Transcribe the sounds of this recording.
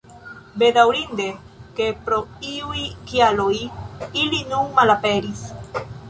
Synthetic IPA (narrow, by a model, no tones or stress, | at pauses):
bed̪awɾind̪e | kepɾoiujkialojilinunmalapeɾis